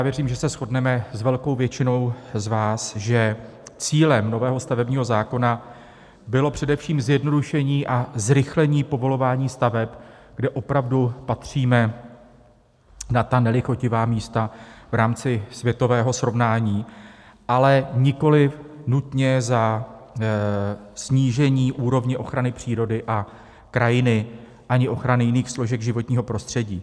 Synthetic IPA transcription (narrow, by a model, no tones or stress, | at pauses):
jaːvjɛriːmʒɛsɛsxo̞dnɛmɛzvɛlko̞wvjɛt͡ʃɪno̞wzvaːsʒɛt͡siːlɛmno̞vɛːɦo̞st̪avɛbɲiːɦo̞zaːko̞na | bɪlo̞pr̝̥ɛdɛfʃiːmzjɛdno̞duʃɛɲiːʔazɾɪxlɛɲiːpo̞vo̞lo̞vaːɲiːst̪avɛpɡdɛʔo̞pɾavdupat̪r̝̥iːmɛ | nat̪anɛlɪxo̞cɪvaːmiːst̪av̥ɾaːmt͡sɪsvjɛt̪o̞vɛːɦo̞sɾo̞vnaːɲiː | ʔalɛɲɪko̞lɪfnut̪ɲɛza | sɲiːʒɛɲiːʔuːɾo̞vɲɛʔo̞xɾanɪpr̝̥iːɾo̞dɪʔa | kɾajɪnɪ | ʔaɲɪʔo̞xɾanɪjɪniːxslo̞ʒɛɡʒɪvo̞t̪ɲiːɦo̞pɾo̞st̪r̝̥ɛɟiː